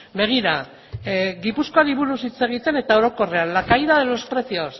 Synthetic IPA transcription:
be̞ɣ̞iɾa | ɣipusko̞aliβuɾusit͡se̞ɣ̞it̪e̞ne̞t̪ao̞ɾo̞ko̞re̞anlakajðaðe̞lo̞spɾe̞sio̞s

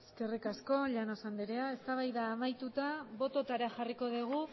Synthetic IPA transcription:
eske̞rikasko̞ʎanosand̪eɾeae̞st̪aβ̞ajðaːmajt̪ut̪aβo̞t̪o̞t̪aɾaxariko̞ðiɣ̞u

